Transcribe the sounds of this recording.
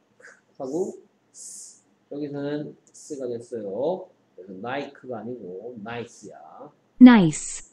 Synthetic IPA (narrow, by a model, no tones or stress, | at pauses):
kʰhaɡo | jʌɡisʰʌnɯns͈ɯɡadeɭs͈ʌjo | esʰʌnaikʰɯɡaːɲiɡonais͈ija̰ | najs